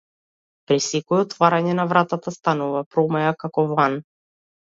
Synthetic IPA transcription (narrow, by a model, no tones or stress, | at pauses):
pɾisɛkɔɛɔt̪vaɾaɲɛnavɾat̪at̪ast̪anuvapɾɔmɛjakakɔvan